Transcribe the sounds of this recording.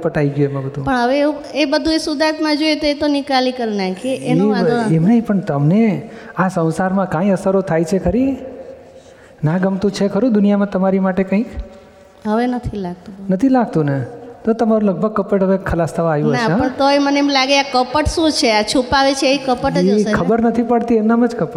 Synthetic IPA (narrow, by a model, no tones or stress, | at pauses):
pəʈaiɡjuemãbəd̪ʱũpəɳɦəʋeuebəd̪ʱuesud̪at̪mãd͡ʒojet̪oet̪onikalikəɾnajkeʔenaemnaipəɳt̪əmneasə̃w̃saɾmãkãĩəsəɾot̪ʰajt͡ʃʰekʰəɾi | nãɡəmt̪ũt͡ʃʰekʰəɾũd̪ʊnijamãt̪əmaɾimaʈekə̃ĩk | ɦəʋenət̪ʰilaɡ̚t̪ũnət̪ʰilaɡ̚t̪ũnet̪ot̪əmaɾũləɡ̚bʱəɡ̚kəpəʈɦəʋekʰːəlast̪ʰəʋaajũənaɦãəɳt̪oeməneemlaɡeakəpəʈsũt͡ʃʰeat͡ʃʰupaʋet͡ʃʰeeikəpəʈd͡ʒkʰəbəɾnət̪ʰipəɽt̪iemnamãd͡ʒkəpə